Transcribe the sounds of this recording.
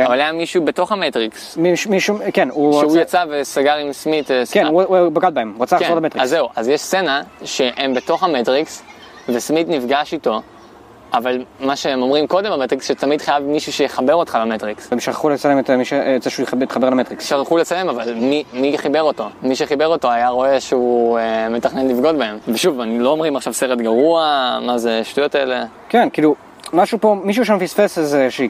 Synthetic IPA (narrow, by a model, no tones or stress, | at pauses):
avalajamiʃube̞to̞χametʁiksmiʃmiʃukenuʃeujat͡savesaɡaʁimsmitkenuubaɡal̚baemuʁatt͡saaχkzolametʁizzːe̞uʔazjeʃst͡se̞naʃe̞ʔembe̞to̞χametʁiks | ve̞smitnifɡaʃito̞ | avalmaʃeemo̞mʁimko̞de̞mametʁiksʃet̪amidχajavmiʃuʃejeχabe̞ʁo̞tχalametʁiksmʃaχaχulet͡salemetmiʃeetzeʃujeit̪χabelametʁiksʃaχχulet͡salemavalmimiχibe̞ʁo̞to̞miʃeχibe̞ʁo̞to̞ajaʁo̞e̞ʃeume̞taχne̞nlifɡo̞tbae̞mveʃuvanilo̞omʁimaχʃavseʁetɡaʁuamazeʃtujo̞taele̞ | kenkilu | maʃupo̞miʃ̬uʃ̬emefisfesezeʃ